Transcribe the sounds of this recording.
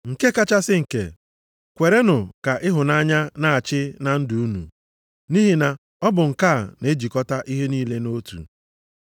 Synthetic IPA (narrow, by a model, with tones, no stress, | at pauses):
ŋ̩˨ke˦ka˦t͡ʃa˦sɪ˦ŋ̩˨kḛ˨ | kʷe˨ɾe˦nʊ˨ka˨ʔɪ˦ɦʊ˨na˦ɲa˦na˦a˨t͡ʃɪ˦na˨n̩˦du˨u˦nṵ˨ | ni˦ɦi˨na˨ | ɔ˦bʊ˨ŋ̩˨ka˦˨ne˦d͡ʒi˨kɔ˦ta˦ʔi˦ɦe˦niː˦le˦no˦tṵ˨